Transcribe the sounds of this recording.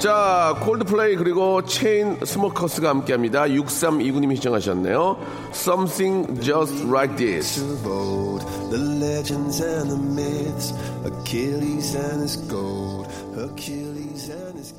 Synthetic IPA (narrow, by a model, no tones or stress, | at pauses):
t͡ɕakʰoɭdpʰɯɭeikɯɾiɡot͡ɕʰeinsʰɯmʌkʰʌsʰɯɡahamk͈e̞ɦamɲidajuk̚s͈amiɡuɲimiɕid͡ʑʌŋɦaɕ̬ʰʌnːe̞̰jo | sʌmθʰiŋd͡ʑʌstɾajt̚ḭsboʊlˠd | ðəlɛd͡ʒɨ̃ndzɨ̃nðəmɪts | əkʰɪlizɨ̃nɪzɡ̥oʊllˠd̥ | həkʰɪlˠizɨ̃nɪz